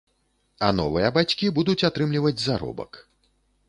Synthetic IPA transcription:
ɐnɔvɨjɐbat͡sʲkʲibud̪ut͡sʲat̪ɾɨmlʲivɐd͡zʲzaɾɔ̰bɐ̰k

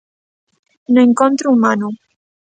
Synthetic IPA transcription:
noeŋkont̪ɾuːmanu

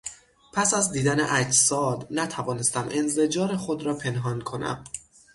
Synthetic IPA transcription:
pʰæsæzd̪iːd̪ænḛʔæd͡ʒsɒːd̪næt̪ʰævɒːne̞st̪æmʔe̞nze̞d͡ʒɒːɾexo̞d̪ɾɒːpʰe̞nɦɒːnkʰo̞næ̰m

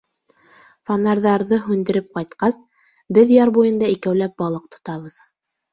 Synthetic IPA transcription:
fanɑɾðɑɾðɤɦʉnd̪ɘ̆ɾɘp̚qɑjt̪qɑs | bɘðjɑɾbujɤ̆nd̪ɑikæwlæp̚bɑlˠɤq̚t̪ŏ̥t̪ɑβɤð

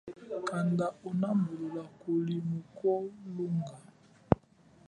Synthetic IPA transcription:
kandaonamololakolimukɔluŋɡa

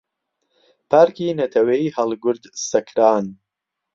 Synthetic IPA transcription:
pʰaːɾkiːnɐt̪ʰɐwɐihɐlɡʊɾd̪sɐkʰɾaːn

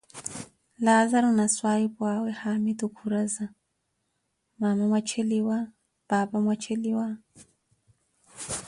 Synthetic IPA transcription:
lazaɾunaswaipwawɛhamit̪ukʰuɾaza | mamamwat͡ʃʰeliwa | b̥abamwat͡ʃʰeliwa

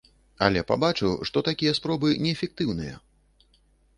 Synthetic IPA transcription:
a̰lʲɛpa̰bat͡ʂɨwʂt̪ɔt̪akʲijɐspɾɔbɨnʲɛːfʲɛk̚t̪ɨwnɨjɐ̰

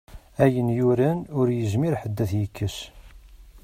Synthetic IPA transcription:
æjənjʊɾænʊɾjəzmiɾħəd̪ːæθjəkːəs

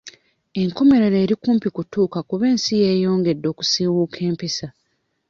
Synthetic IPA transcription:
e̞ŋko̞me̞ɾeɾeːɾikuːmpikutuːkakuβe̞ːnsije̞ːjo̞ːŋɡe̞dːo̞ːku̥siːwuːkʰe̞ːmpisa

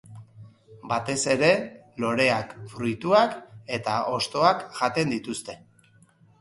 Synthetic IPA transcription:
bat̪e̞se̞ɾe̞ | lo̞ɾe̞akfɾujt̪uake̞t̪aʔo̞st̪o̞akʝat̪e̞nd̪it̪ust̪e̞

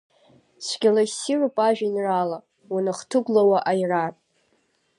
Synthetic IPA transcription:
t͡ʃʷʰɡʲalasirupʼaʒᶣinrala | wanaχtʰɨɡʷlawaʔajrar

